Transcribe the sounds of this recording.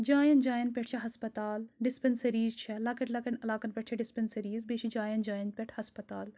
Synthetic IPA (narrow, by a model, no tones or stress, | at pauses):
d͡ʒaːjɐnd͡ʒaːjɐnpʲeʈ̚ʰt͡ʃʰɐɦɐspɐt̪aːlɖispʲɐnsɐɾiːzt͡ʃʰɐlɐkɐʈʰlɐkɐnɐlaːkɐnpʲeʈ̚ʰt͡ʃʰɐɖispʲensɐɾiːzbet͡ʃʰid͡ʒaːjɐnd͡ʒaːjɐnpʲeʈʰhɐspɐt̪a̰ːl